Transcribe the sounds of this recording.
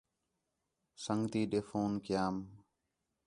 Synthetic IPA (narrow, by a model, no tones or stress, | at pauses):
səŋɡt̪iːɗeːfoːnkjaːm